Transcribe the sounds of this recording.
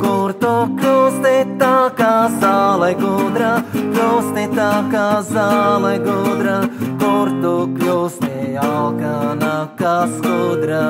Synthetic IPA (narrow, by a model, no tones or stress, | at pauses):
kuɾt̪uklʲust̪it̪akazalɛjɡud̪ɾaklʲust̪it̪akazaːlˠɛjɡud̪ɾakuɾt̪uklʲuːst̪ialkanakaskud̪ɾa